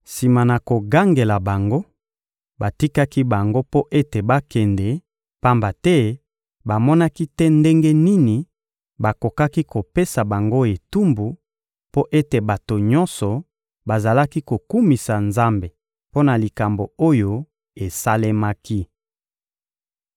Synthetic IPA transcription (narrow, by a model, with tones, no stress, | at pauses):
si˨ma˨na˨ko˨ɡa˦ŋɡe˨la˨ba˨ŋɡo˦ | ba˨ti˦ka˦ki˦ba˨ŋɡo˦po˦ʔe˦te˨ba˦kɛ˨ndɛ˨ | pa˦mba˨tɛ˦ | ba˨mɔ˦na˦ki˦tɛ˦nde˦ŋɡe˦ni˦ni˨ | ba˨ko˨ka˦ki˦ko˨pe˦sa˨ba˨ŋɡo˦e˨tu˦mbu˨ | po˦ʔe˦te˨ba˨to˨ɲɔ̃˦nsɔ˨ | ba˨za˨la˦ki˦ko˨ku˦mi˨sa˨nza˦mbe˨ | po˦na˨li˨ka˨mbo˨o˦jo˦ | e˨sa˦le˦ma˦ki˦